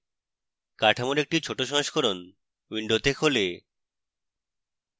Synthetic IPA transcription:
kaʈʰamoɾek̚ʈit͡ɕʰoʈoʃɔɦoʃkoɾon | wiɳɖot̪ʰekʰole

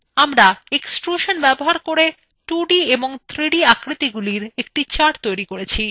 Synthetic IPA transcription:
amɾaeksʈɾuʃonbɛboɦaɾkoɾe | ʈuɖieboŋt̪ʰɾiɖiakɾit̪iɡuliɾek̚ʈit͡ɕaɾʈt̪ojɾikoɾet͡ɕʰi

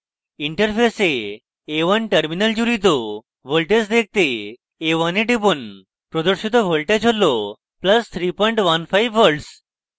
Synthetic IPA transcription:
iɳʈəɾpʰeseː | ʋənʈəɾminəld͡ʑuɾit̪o | ʋəlʈesd̪ek̚t̪eː | ʋɐneʈipon | pɾɔd̪uɾʃit̪̬ɔʋolʈed͡ʑɦolɔ | plɐst̪ʰɾipɔjɳʈʋɐnfʰajʋːəɾɖs

